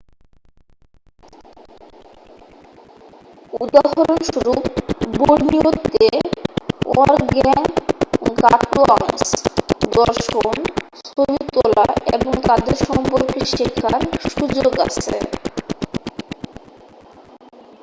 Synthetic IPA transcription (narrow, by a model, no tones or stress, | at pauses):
ud̪aɦoɾonʃuɾupboɽniot̪ːe | ɔ̰ɾɡɛŋ | kaʈuaŋsd̪ɔɾʃonst̪ʰobit̪ɔlaḛboŋt̪ad̪eɾʃɔmpoɾkiʃikʰːaɾʃud͡ʑoɡa̰t͡ɕʰḛ